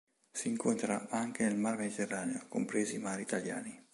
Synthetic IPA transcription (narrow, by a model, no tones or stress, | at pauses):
siːŋkont̪ɾa̰aŋk̟enelmarmed̪it̪erːaːneokompɾeːzimaːɾiːt̪aljaːni